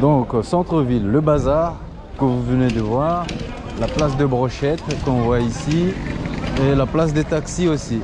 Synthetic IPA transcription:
d̪ɔ̃ksɑ̃t̪χəvilːəbazaʁ | kəvuvəned̪əvwaʁ | laplas̬d̪əbʁɔʃɛt̪kɔ̃vwaisi | elaplas̬d̪ət̪aksiosi

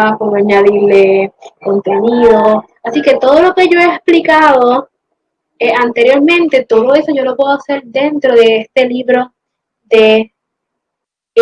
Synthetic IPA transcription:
akomaɲaðiɾleko̞nt̪e̞niðo̞ | asike̞t̪o̞ð̞o̞lo̞ke̞ʝo̞eːsplikaðo̞ | eant̪e̞ɾjo̞ɾmẽnt̪e̞t̪o̞ðoe̞soʝo̞lo̞pwe̞ðoase̞ɾd̪e̞nt̪ɾo̞ðe̞est̪e̞liβɾo̞ | ðe̞

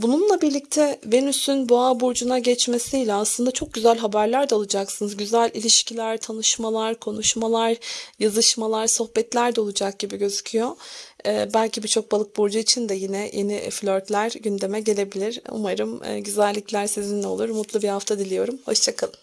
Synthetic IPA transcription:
bununlˠabiɾlʲic̚t̪ʰɛve̞nysynboabuɾd͡ʒunaɟɛt͡ʃme̞sijlʲɛaslˠɯnd̪at͡ʃʰo̞k̚ɟyzælʲɦabæɾlʲæɾd̪ɛolˠud͡ʒaksɯnɯzɟyzælʲilʲiʃcʰilʲæɾt̪ʰanɯʃmalˠaɾkʰo̞nuʃmalˠaɾjazɯʃmalˠaɾso̞hbɛt̪lʲæɾd̪ɛolˠud͡ʒak̚ɟ̥ibiɟø̞zycʰyjo̞ː | bælʲcibiɾt͡ʃʰo̞k̚balˠɯk̚buɾd͡ʒuit͡ʃʰind̪ɛjinɛjʔeniflʲøɾt̪lʲæɾɟynd̪e̞mɛɟe̞lʲe̞bilʲiɾṵmaɾɯmɯ̰ɟyzælʲːiclʲæɾsizinlɛo̞lˠuɾmut̪lˠubihaft̪ʰad̪ilʲijo̞ɾumho̞ʃt͡ʃʰakʰalˠɯm

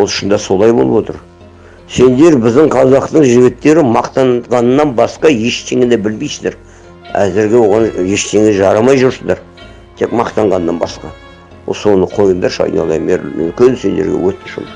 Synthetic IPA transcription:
wolˠʃənd̪ɑso̞lˠɑjbo̞lˠəbwo̞t̪ə̰ɾ | se̞nd̪e̞ɾbɪzd̪ɪɴqʰɑzɑqt̪əɴʒɪɡʲɪt̪ːe̞ɾɪmɑqt̪ɑnʁɑnənːɑnbɑsqɑje̞ʃt̪ʰe̞ŋed̪ebɪlmijsɪzd̪eɾ | æ̰zɪɾɡʲe̞wo̞ʁɑnje̞ʃt̪ʰe̞ŋeʒɑɾɑmɑjʒʊɾsəzd̪ɑɾ | t̪ʰekmɑqt̪ɑɴʁɑnːɑnbɑ̰sqɑ | wo̰so̞nəqʰo̞jənd̪ɑɾʃɑ̰jnɑ̰lˠɑ̰jmeɾɪ̰mkʲense̞nd̪eɾɡʲḛwɵt̪ʃṵm

